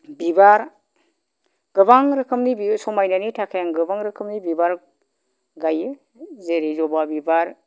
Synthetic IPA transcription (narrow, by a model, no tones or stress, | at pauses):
bibaɾ | ɡ̥ɯbaŋɾɯkʰɯmnibisɔmajnanitʰakʰajaŋɡɯbaŋɾɯkʰɯmnibibaɾ | ɡajɯ | zeɾizɔbabibaɾ